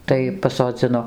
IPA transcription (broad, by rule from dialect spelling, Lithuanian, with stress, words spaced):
ˈtɐɪ pɐsoːˈd͡zʲɪnoː